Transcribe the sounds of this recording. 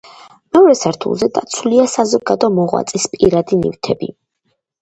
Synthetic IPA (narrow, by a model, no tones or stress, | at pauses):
mɛɔɾɛsaɾt̪ʰṵlˠzɛd̪at̪sʰuliasazɔɡad̪ɔmɔʁwa̰t̪sʼispʼiɾad̪inḭft̪ʰɛbḭ